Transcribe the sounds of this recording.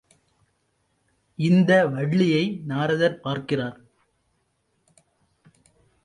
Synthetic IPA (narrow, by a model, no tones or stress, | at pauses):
ɪnd̪ɐʋɐɻːɪjɐɪnaːɾɐðɐɾpaːɾkɪraːɾ